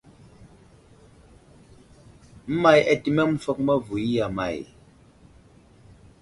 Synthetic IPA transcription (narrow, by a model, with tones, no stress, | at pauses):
m̩˦ma˦jɛ˨ti˨mɛ˦m̩˦fɔ˦k̚mɛ˦vu˨i˦ja˨ma̰˨j